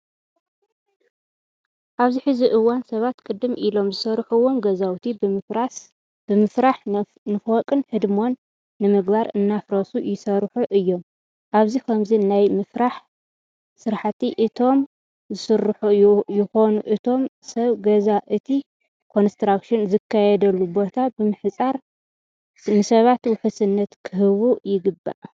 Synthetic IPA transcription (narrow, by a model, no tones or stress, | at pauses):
ʔaβziħɨziʔɨwːansɐβat̪kʼɨd̪ːɨmʔilo̞mzɨsɐɾħuwo̞mɡɐzawt̪ʰia | b̥ɨmɨfɾaħ | nɨfokʼɨnhɨd̪mo̞nː | ɨmɨɡbaɾɨ̰nːafɾɐsujɪsɐɾħuʔɨjːo̞m | ʔaβzikʰɐmzinajmɨfɾaħ | sɨɾħat̪iʔɨt̪ʰo̞m | zɨsɨɾħujjɪxo̞nuʔɨt̪ʰo̞m | sɐβɡɐzaʔɨt̪ʰi | kʰo̞nst̪ɾakʃɪnzɨkʰːajɛd̪ɐlːubo̞t̪ʰabɨmɨħt͡sʼaɾ | nɨsɐβat̪wʊħusɨnːɐt̪kʰɨhɨβujɪɡɨbːa̰ʔ